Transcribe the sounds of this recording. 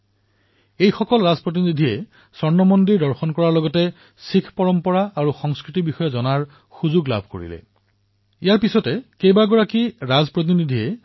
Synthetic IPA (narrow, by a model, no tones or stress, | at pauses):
ejxɔkɔlɹazpɹɔt̬inidʱiɛ | sɔɹnɔmɔndiɹdɔɹxɔnkɔɹaɹlɔɡɔtɛ | sikʰpɔɹɔmpɔɹaaɹuxɔŋskɹitibixɔjɔzɔnaɹ | xuzuɡla̰bʱko̰ɹḭlɛ̰ | ijaɹpisɔtɛkejbaɡɔɹakiɹazpɹɔt̬inidʱiɛ